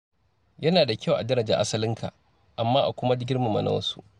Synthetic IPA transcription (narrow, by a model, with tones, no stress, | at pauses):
jɐ˦naː˨da˨kʲa˦˨wʔa˨dɐ˦ɾɐ˨d͡ʒa̰˨ʔa̰˦sɐ˦lɪ˦ŋkʰa̰˨ʔ | ʔa˨mːaː˦ʔa̰˨kʷʊ˦ma˦dɡʲɪ˦rma˨mɐ̰˨nɐ̰˦wɐ̰˦su˦ʔ